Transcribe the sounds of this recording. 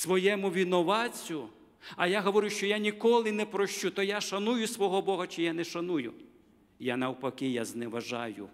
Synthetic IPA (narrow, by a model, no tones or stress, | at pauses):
sʋɔjɛmʊʋʲinɔʋɑt͡sʲʊ | ɐjaɦɔʋɔɾʲʊʃt͡ʃɔjanʲikɔlˠɪnɛpɾɔʃt͡ʃut̪ɔjaʃɐnujʊsʋɔɦɔbɔɦɐt͡ʃɪjanɛʃɐnujʊ̰ | janɐwpɐkɪjaznɛʋɐʒɑjʊ̰